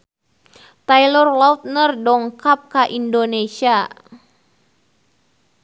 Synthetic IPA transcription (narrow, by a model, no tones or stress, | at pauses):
t̪ajlɔrwaut̪̚nərdɔŋkap̚kaʔindonesia